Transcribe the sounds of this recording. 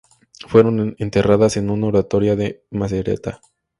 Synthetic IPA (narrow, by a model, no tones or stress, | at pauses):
fwe̞ɾo̞ne̞nt̪e̞raðase̞nunaoɾat̪o̞ɾjaðe̞mas̬eɾe̞̰t̪a